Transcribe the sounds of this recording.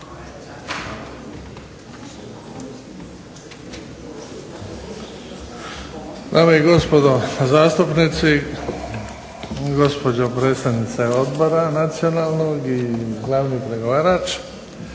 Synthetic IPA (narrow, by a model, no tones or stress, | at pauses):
d̪aːmeiɡo̞spo̞d̪ozaːst̪upnit̪si | ɡo̞spo̞d͡ʑopɾe̞ːt̪st̪aʋnit̪seod̪bo̞ɾanat̪sijo̞naːlnoɡiɡlaːʋnipɾe̞ɡo̞ʋaːɾaːt͡ʃ